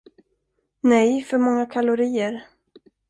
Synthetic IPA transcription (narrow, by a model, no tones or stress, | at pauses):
nɛjfœɾmɔŋːakʰalʊɾiːəɾ